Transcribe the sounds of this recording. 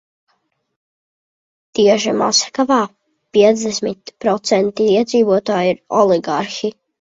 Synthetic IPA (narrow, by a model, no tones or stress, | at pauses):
t̪iɛʒima̰sḁkavaː | pʲiɛd̪zd̪ɛsmit̪pɾɔt̪sɛnt̪iiɛd̪ziːvuɔt̪aːjiɾɔlˠiɡaɾxi